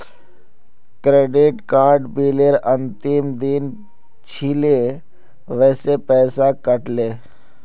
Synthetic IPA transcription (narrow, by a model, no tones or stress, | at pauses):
kɾeːɖɪʈkaːɾɖbiːleɾə̃nt̪ɪmd̪in | t͡ʃʰile | ʋɛːsepɛːsakəʈleː